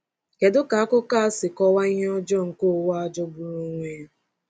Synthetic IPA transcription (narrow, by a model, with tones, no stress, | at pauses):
ke˨dʊ˦ka˨a˦kʊ˦ka˦a˦sɪ˨kɔ˦wa˦i˦ɦe˦ɔ˦d͡ʒɔ˦ŋ̩˨ko˦wa˦a˦d͡ʒɔ˦bu˨ɾu˦ŋʷe˦